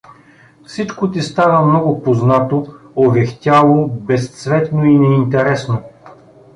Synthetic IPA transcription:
fsit͡ʃkot̪̬ist̪avəmnɔɡʊpoznat̪oovɛxt̪ʲalˠobɛst̪svɛt̪noinɛint̪ɛɾɛsno

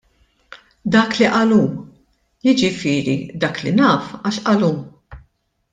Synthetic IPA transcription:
d̪ɐːkliʔɐluːm | jɪd͡ʒɪfɪːɾid̪ɐːklinɐːfɐʃʔɐluːm

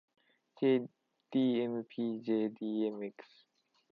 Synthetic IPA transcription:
d͡ʒe | d̥iɛ̃mpʰid͡ʒediɛmɛks

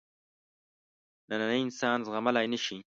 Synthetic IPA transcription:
nananəjɪnsɑːnzɣamalajnəʃi

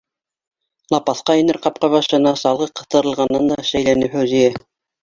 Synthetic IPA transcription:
lˠɑpɑθqɑĭnɘɾqɑp̚qɑβɑʃɤ̆nɑsɑlˠʁɤqɤ̆θt̪ɤ̆ɾɤ̆lˠʁɑnːɑnd̪ɑʃæjlænɘwɦæwzijæ

